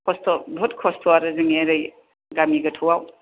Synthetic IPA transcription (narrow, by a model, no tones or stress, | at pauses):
kʰɔstɔbʱɔt̚kʰɔstʰɔaɾɯzɯŋiaɾɯj | ɡamiɡɐtʰɔwaw